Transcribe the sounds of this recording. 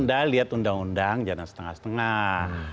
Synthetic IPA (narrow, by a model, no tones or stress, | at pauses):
ndaliat̪undaŋundaŋd͡ʒanansə̥t̪əŋa̰hsə̥t̪əŋa